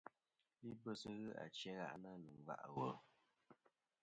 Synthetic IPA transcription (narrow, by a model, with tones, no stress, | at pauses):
li˦bə˦sə˦ɣɨ˦a̰˨t͡ʃɛ˦ɣa̰˦˨ʔna˦nɨ˨ŋ˨va̰˦ʔwə˦